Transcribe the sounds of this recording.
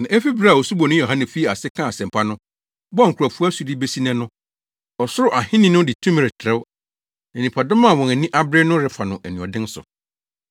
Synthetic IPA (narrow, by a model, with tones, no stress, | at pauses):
nã˨ʔe˦fi˦bɾa˦˨wo˨su˦bɔ˨ñ˦jo˨ɦã˦nɛ̃˨fi˦˨a˨sɪ˦kʰã˦a˨sɛ̃˨m˨pʰa˦nʊ̃˦ | bɔ˦a˦ŋ̩˨kʰu˨a˨fu˦su˨di˦be˦si˦nɛ̃˦nʊ̃˦ | ɔ˨sʊ˦ɾʊ˦ʔa˨hɪ̃˦nɪ̃˦nʊ̃˦dɪ˨tʰũ˦m˨ɾɪ˨tʰɾɛ˦w | nɛ̃˨nĩ˨pʰa˨dʊ̃˦mã˦˨wɔ̃˨næ˨nĩ˦ʔa˦bɾnʊ̃˦ɾɪ˦fa˨nʊ̃˨ʔæ˨nĩ˨ɔ˨dɪ̃˦n˦sʊ̰˨